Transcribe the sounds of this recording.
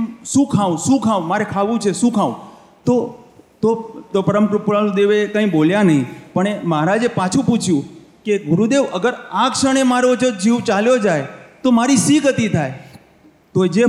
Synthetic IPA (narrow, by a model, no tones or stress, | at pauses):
mʃũkʰaũʃũkʰaʋũmaɾekʰaʋũt͡ʃʰeʃũkʰaũ | t̪ot̪ot̪opəɾəmkɾupuɾald̪eʋekə̃ĩɓoljanəɦĩpəɳemɦaɾad͡ʒepat͡ʃʰũput͡ʃʰjũkeɡʊɾud̪eʋəɡəɾakʃəɳ̃emaɾod͡ʒod͡ʒiʋt͡ʃaljod͡ʒajt̪omaɾisiɡət̪it̪ʰaj | t̪od͡ʒe